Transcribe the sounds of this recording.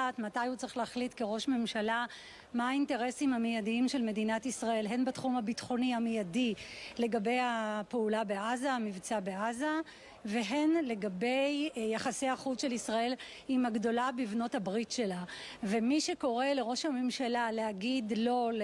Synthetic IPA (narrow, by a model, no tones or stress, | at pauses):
atmatajhut͡sʁeχleaχlitkeʁo̞ʃme̞mʃala | maainte̞ʁe̞simhamejadiimʃe̞lme̞dinatisʁae̞lɦe̞nbatχumabitχo̞niamejadile̞ɡabe̞japeulabeʔazamivt͡sabeaza | ve̞ɦe̞nle̞ɡabe̞jjaχasejaχutʃe̞lisʁae̞l | imaɡdo̞labivno̞thabʁitʃe̞la | ve̞miʃe̞ko̞ʁe̞le̞ʁo̞ʃhame̞mʃalaleaɡidlo̞l